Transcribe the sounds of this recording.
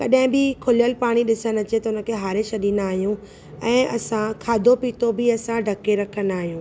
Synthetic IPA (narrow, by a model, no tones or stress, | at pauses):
kɐɗɦɪ̃bɪkʰʊljəlpaːɽ̃iɗɪsənɐt͡ɕet̪ɐʊnə̆kʰeɦaːɾɪʃɐɗĩːnaːɦijũ | ɛ̃ːɐsãkʰaːd̪ʱopiːt̪obɪɐsãɖʱɐkeɾɐkʰənd̪aːɦijũː